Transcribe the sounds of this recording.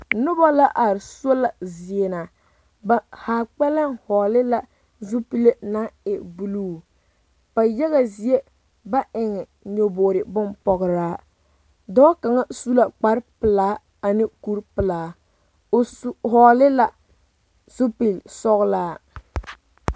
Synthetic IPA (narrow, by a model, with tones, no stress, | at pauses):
nʊ˦ba˦la˦ʔa˨ɾɪ˨so˦la˨zi˨e˨na˨ | ba˦haː˨k͡pɛ˦la˦nhɔː˨lɪ˦la˦ | zʊ˦pi˦le˦na˦ɪ˨bu˨˦luː˦˨ | ba˨jɛ˦ɣa˨zi˨e˦ | ba˦ʔɪ˨ŋɛ˨ | ɲo˨boː˨ɾɪ˨bʊ˦npɔ˨ɣɾaː˦ | dɔː˦ka˨ŋa˦su˦la˨k͡pa˨˦ɾpɨ˨laː˨˦ | a˨nɪ˦ku˦ɾpɨ˨laː˨˦˨ | ɦɔː˨lɪ˦la˦ | zʊ˦pi˨lsɔ˦ɣlaː˦